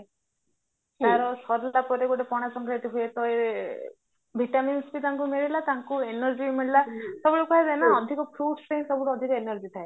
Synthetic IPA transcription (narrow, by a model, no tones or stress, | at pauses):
t̪aɾɔsɔɾlapɔɾeɡoʈepɔɽ̃asɔŋkɾeʈiɦujet̪ɔeɾ | bʱiʈaminsbit̪ãŋkumeɭilat̪aŋkuenɔɾd͡ʒimeɭilasɔbuɭɔkɔazajnaɔd̪ʱikɔpʰɾuʈsʈeĩnsɔbuɽɔd̪ʱikɔenɔɾd͡ʒit̪ʰae